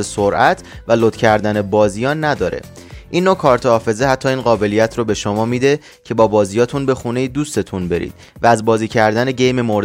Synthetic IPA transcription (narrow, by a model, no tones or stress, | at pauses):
esoɾʔæt̪ʰvælot̪cʰæɾd̪ænebɒːzijɒːnnːæd̪ɒːɾḛ | ʔinːokʰɒːɾt̪ʰohɒːfe̞zeɦæt̪ʰːɒːiːnɢɒːbe̞lijæt̪ʰɾobe̞ʃomɒːmid̪e̞ | cʰe̞bɒːbɒːzijɒːt̪ʰunbe̞xuːne̞jid̪uːst̪e̞t̪ʰunbe̞ɾḭːd̪̥̚ | vææzbɒːziːcʰæɾd̪æne̞ɟe̞jme̞moɾ